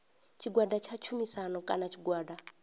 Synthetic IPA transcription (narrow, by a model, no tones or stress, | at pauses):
t͡ʃʰiɡwadat͡ʃʰat͡ʃʰumisanɔkʼanat͡ʃʰiɡwaːda